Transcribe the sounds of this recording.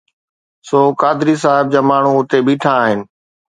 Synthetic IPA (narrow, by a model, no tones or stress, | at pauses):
soːkaːd̪ɪɾis̬aːɦɪb̚d͡ʑaːmaːɳ̤ũʊt̪ebiːʈʰãːɦɪnɪ̆